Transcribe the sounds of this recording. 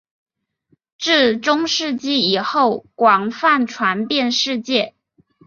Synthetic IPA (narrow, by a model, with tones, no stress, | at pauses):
ʈ͡ʂɻ̩˥˩ʈ͡ʂʊ˥ŋʂɻ̩˥˧t͡ɕi˥˩i˨˩xo˥˩ʊkwɑ˨˩ŋfa˥˩nʈ͡ʂʰwa˧˥npjɛ˥˧nʂɻ̩˥˧t͡ɕjɛ˥˩